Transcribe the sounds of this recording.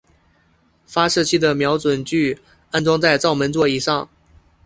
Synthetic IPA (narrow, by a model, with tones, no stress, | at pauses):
fa˥ʂɤ˥˩t͡ɕʰi˥d̪ə˨mjɑ˧˥ʊt͡swə˨˩nt͡ɕy˥˩ | a˥˧nt͡sʊ˥ŋt͡sa˥˧ɪt͡sɑ˥˩ʊmə˧˥nt͡swɔ˥˩i˨˩ʂɑ˥˩ŋ